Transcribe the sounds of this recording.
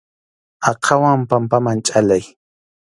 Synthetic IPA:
ɑqʰɑwampampamant͡ʃʼalaj

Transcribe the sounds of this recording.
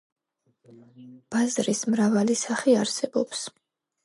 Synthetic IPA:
b̥azɾismɾavalisaχiaɾsɛbɔps

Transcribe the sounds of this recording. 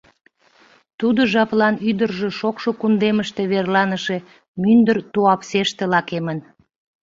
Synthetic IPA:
t̪ud̪oʒɑplɑnyd̪ərʒeʃokʃokund̪eməʃt̪e̽βerlɑnəʃe | mynd̪ərt̪uɑpseʃt̪elɑkemən

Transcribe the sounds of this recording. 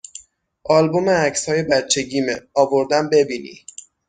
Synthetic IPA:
ʔɒːlbo̞meæcshɒːje̞bæt̪t͡ʃʰe̞ɟiːmeɒːvo̞ɾd̪æmbe̞biːnḭ

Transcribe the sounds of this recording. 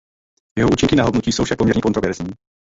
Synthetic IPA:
jɛɦoʔuːt͡ʃɪŋkɪnaɦodnuciːsowfʃak̚po̞mɲɛɾɲɛkont̪ɾovɛɾzɲiː

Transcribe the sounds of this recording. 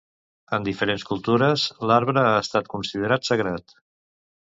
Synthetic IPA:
ənd̪ifəɾenskulˠt̪uɾəzlaɾβɾəaəst̪at̪̚kunsið̞əɾat̪səɣɾat̪

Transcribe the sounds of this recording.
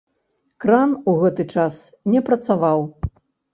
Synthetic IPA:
kɾanuɣɛt̪ɨt͡ʂas | nʲɛpɾɐt̪savaw

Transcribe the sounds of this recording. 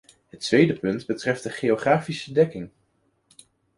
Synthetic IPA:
ɦətʋejdəpɵndbətrɛftdəχejoχraːfisədɛkɪŋ

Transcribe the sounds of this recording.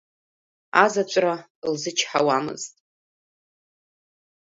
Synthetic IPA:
azat͡ʃʷʼralzɨt͡ʃʰħa̰wamɨ̰ztʼ

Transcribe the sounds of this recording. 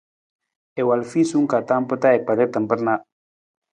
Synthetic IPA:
ewalfisuŋkat̪ampət̪aek̚paɾet̪əmpəɾna

